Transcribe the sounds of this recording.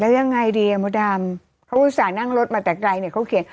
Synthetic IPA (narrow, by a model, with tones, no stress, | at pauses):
lɛː˦˥wja˧ŋːa˧jdiː˧a˨˧˩mɔ˨˦˥daː˧m | kʰa˦˥wʔuː˦˥saː˨˩na˥˩ŋɾo˦˥t̪̚maː˧t̪ɛː˨˩kla˧jni˥˩ɐkʰa˦˥wkʰi˩˦n